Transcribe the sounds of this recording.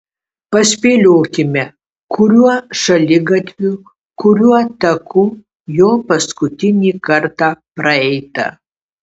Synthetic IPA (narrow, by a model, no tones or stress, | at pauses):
pɐsʲpʲeːlʲoːkʲɪmʲɛ | kʊɾʲuɔʃɐlʲɪɡɐt̪ʲʋʲu | kʊɾʲuɔt̪ɐkuː | joːpɐskʊt̪ʲɪnʲiːkɐɾt̪ɑːpɾɐɛɪt̪ɐ̰